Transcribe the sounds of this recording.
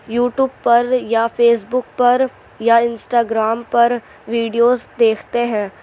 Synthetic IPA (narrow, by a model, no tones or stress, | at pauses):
juːʈjuːb̚pɐɾjafʰeːs̬bʊk̚pɐɾ | jaɪ̃nsʈaːɡɾaːmpɐɾ | ʋiːɖijoːzd̪eːkʰt̪eɦɛ̃ː